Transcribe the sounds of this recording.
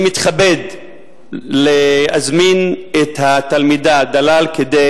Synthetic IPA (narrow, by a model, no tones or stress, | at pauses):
mit̪χabed̪ | leazminet̪hatalmid̪ad̪alalked̪e